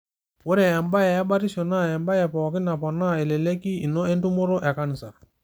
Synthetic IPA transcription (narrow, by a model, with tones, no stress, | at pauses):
wɔ˦ɾɛ˨ɛ˨mba˦jɛ˨a˦ba˦ɾi˦sɔ˨na˦˨ɛ˨mba˦jɛ˨pɔː˨ki˦na˨pɔ˨na˦˨ɛ˨lɛ˨le˦ki˦i˨nɔ˦ɛ˦ntu˦mɔ˦ɾɔ˦ʔɛ˨ka˦nɪ˨sa˨